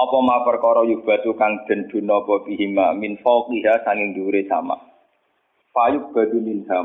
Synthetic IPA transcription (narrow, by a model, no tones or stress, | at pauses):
ɔpɔmapərkɔɾɔjub̥a̤t̪ukaŋd̪̥ə̤nd̪̥ṳnɔpɔpiɦimaminfɔkiɦasaŋɪŋd̪uɾesa̰ma̰ | fajuk̚b̥a̤d̪̥unind̪a